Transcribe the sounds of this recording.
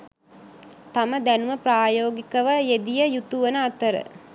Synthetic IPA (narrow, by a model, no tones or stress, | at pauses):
t̪aməd̪ænuməpraːjoːɡikəʋəjed̪ijəjut̪uʋənəat̪əɾə̰